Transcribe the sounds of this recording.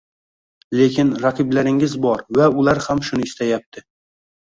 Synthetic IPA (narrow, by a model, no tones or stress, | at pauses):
lekʲɪnɾɑqʰɨblaɾɪŋɪzbɒɾvæʊlaɾhamʃʊnɪɪst̪ajap̚t̪ʰɪ